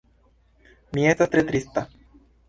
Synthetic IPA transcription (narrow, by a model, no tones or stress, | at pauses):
mijet̪sat̪ɾet̪ɾist̪a